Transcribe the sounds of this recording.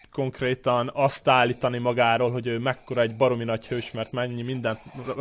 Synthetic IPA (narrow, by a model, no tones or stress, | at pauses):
ko̞ŋkreːt̪ɒnɒst̪aːlːiːt̪ɒnimɒɡaːɾoːlɦo̞ɟøːmɛkːo̞ɾɒɛɟbɒɾo̞minɒchøːʃmɛrt̪mɛɲːimind̪ɛnt̪